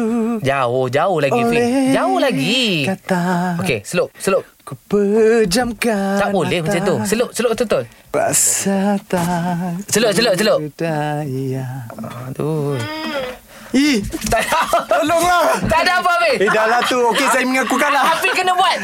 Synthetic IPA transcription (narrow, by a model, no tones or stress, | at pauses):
d͡ʒaʊhd͡ʒaʊhlaɡifid͡ʒaʊhlaɡiat̪aokesəlʊʔsəlʊʔ̚kupəd͡ʒamkat̪aʔbolɛhmat͡ʃamt̪usəlʊʔsəloʔt̪ot̪on | ra̰ʔsat̪asəloʔ̚səloʔ̚səloʔaaɔt̪u | it̪aat̪əloŋlat̪aʔdapapeidalat̪uokesajaməŋakukanlaapikənabuat̪̚